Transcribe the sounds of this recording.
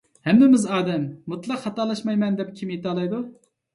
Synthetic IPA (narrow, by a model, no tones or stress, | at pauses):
hɛmnɪmɪzɑːd̪ɛmːut̪lˠɑqχɑt̪ɑːlˠɑʃmɑjmɛnd̪ɛp̚kʲʰimjet̪ɑːlˠɑjd̪u